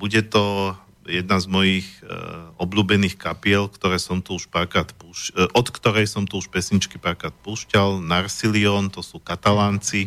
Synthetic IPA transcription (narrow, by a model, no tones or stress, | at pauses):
buɟɛt̪ɔ | jɛd̪nazmɔjixɔbʎuːbɛniːxkapɪɛlkt̪ɔɾɛːsɔmt̪uuʃpakɾaːt̪puʃʔɔt̪kt̪ɔɾɛjsɔmt̪uuʃpɛsɲit͡ʃkipaɾkat̪̚puːʃcalnaɾsiliɔːnt̪ɔsuːkat̪alaːnt͡si